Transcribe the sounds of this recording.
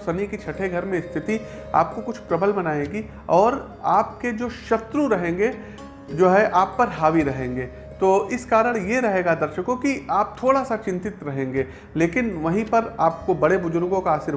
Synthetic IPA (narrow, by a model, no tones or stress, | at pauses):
sɐnikit͡ʃʰɐʈʰeɡʱɐɾmẽɪst̪ʰɪt̪i | a̰ːp̚kokʊt͡ʃʰpɾɐbəlmɐnaːẽːɡi | ɔːɾ | aːpked͡ʒoːʃɐt̪ɾuɾɐɦẽːŋɡeː | d͡ʒoːɦɛʔaːpːɐɾɦaːʋiɾɐɦẽːŋɡeː | t̪oːɪskaːɾəɽ̃jeɾɐɦeːɡad̪ɐɾʃəkõkiaːp̚t̪ʰoːɽasat͡ʃɪ̃nt̪ɪt̪ɾɐɦẽːŋɡeː | leːkɪnʋɐɦĩpɐɾaːp̚kobɐɽebʊd͡ʒʊɾɡõkaːsɪɾ